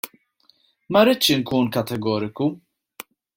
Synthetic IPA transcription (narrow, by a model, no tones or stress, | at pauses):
mɐɾɪt̪ːʃɪŋkuːnkɐt̪ɛɡɔːɾɪku